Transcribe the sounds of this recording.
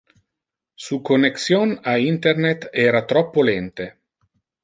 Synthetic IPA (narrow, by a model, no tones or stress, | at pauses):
suːkoneksjonaint̪ernet̪ɛːɾat̪ɾɔpːolɛnt̪e